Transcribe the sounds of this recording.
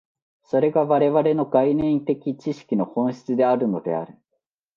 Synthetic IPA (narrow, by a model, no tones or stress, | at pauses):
so̞ɾe̞ɡaβaɾe̞βaɾe̞no̞ɡainẽ̞nt̪e̞kʲit͡ɕiɕi̥kʲino̞hõ̞ɰ̃ɕi̥t͡sɨd̪e̞aɾɯ̟no̞d̪e̞̰a̰ɾɯ̟